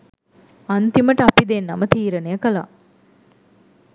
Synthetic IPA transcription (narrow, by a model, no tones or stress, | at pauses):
ant̪iməʈəapid̪enːɐmət̪iːɾənejəkəla̰